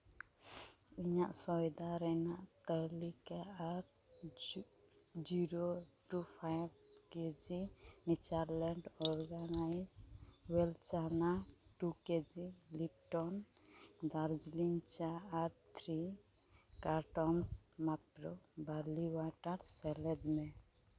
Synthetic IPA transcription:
iɲaʔsɔjd̪aɾɛnaʔt̪əlikaaɾ | d͡ʒiɾoʈupʰajb̚ked͡ʒinit͡ʃaɾlɛɳɖɔɾɡanajd͡ʒwɛlt͡ʃanaʈuked͡ʒilip̚ʈɔn | d̪aɾd͡ʒlint͡ʃaːɾt̪ʰɾi | kaɾʈɔnsmat̪ɾɔbaliwaʈaɾsɛlɛd̪mɛ

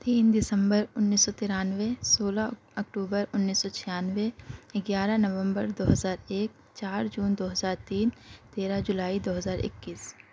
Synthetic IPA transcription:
t̪iːnd̪ɪsə̃mbəɾʊnːiːsːɔt̪ɪɾaːnʋesoːla | ɐkʈuːbəɾʊnːiːsːɔt͡ʃʰɪjaːnʋeɪɡjaːɾanɐʋə̃mbəɾd̪oːɦəzaːɾeːk̚ | t͡ʃaːɾd͡ʒuːnd̪oːɦəzaːɾt̪iːnt̪eːɾad͡ʒʊlaːid̪oːɦəzaːɾɪ̰kːiːs

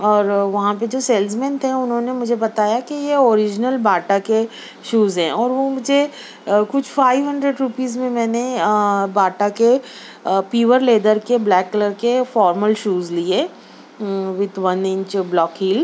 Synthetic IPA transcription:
ɔːɾʋɐɦãped͡ʒoːsɛːlsmɛ̃ːnʈɦɛ̃ʊnɦõːnemʊd͡ʒʱebɐt̪aːjakijeoːɾɪd͡ʒnəlbaːʈake | ʃuːzɦɛ̃ːɔːɾʋomʊd͡ʒʱe | kʊt͡ʃʰfaːɪʋɦɐ̃ɳɖɾeɖɾupiːzmẽmɛ̃ːnebaːʈake | piːʋəɾleːd̪əɾkeblɛːkːələɾkefɔːɾməlʃuːzlie | ʋɪd̪ʋɐnɪ̃ɲt͡ʃblɔːkɦiːl

